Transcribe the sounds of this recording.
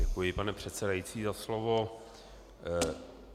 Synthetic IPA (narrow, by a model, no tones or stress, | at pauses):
ɛkujɪpanɛpr̝̥ɛt̪sɛdajit͡siːzaslovo